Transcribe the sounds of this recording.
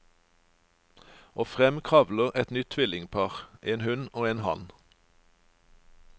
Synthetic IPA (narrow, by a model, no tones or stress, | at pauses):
ʔoːfʁɛmkʰʁɑʋləʁɛt̪nʏt̪ʰʋɪlɪŋpʰɑːʁʔeːnhʉnoːeːnhɑ̰n